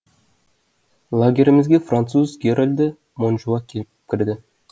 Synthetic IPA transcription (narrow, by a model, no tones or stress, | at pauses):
lˠaɡʲe̞ɾʲɪmɪzɡʲefrant̪suzɡʲeɾolʲd̪ə | monʒuɑkʲʰepkʲɪɾd̪ɪ